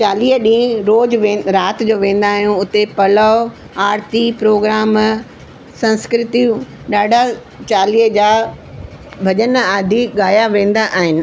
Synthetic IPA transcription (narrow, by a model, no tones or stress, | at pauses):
t͡ɕaːliːɦəɗĩɾoːd͡ʑʋẽːɾaːt̪d͡ʑoːʋẽːn̆d̪aːɦijũʊt̪epɐlə | aːɾt̪ipɾoːɡɾaːm | sɐ̃nskɾɪt̪iũ | ɗaːɖʱa | t͡ɕaːliːɦəd͡ʑaː | bʱɐʄənaːd̪ʱiɠaːjaʋẽːn̆d̪aʔaːɦɪnɪ̆